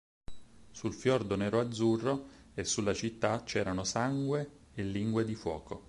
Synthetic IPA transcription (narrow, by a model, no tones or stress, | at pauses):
sulfjɔrd̪onɛːɾoad̪zːurːo | esːulːat͡ʃit̪ːat͡ʃɛːɾanosaŋɡwe | elːiŋɡwed̪ifwɔ̰ːko